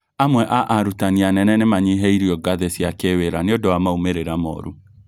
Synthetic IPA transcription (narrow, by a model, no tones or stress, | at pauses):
amwɛʔaʔaɾutanianɛnɛnɛmaɲiɦɛiɾiɔɡaðɛsiakeweɾanɪɔdɔamaumeɾeɾamɔ̰ɾu